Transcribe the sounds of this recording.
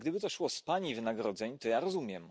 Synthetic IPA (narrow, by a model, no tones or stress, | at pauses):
ɡd̪ɘbɘt̪ɔʃwɔspaɲivɘnaɡɾɔd̪zɛɲt̪ɔjaɾɔzumʲjɛm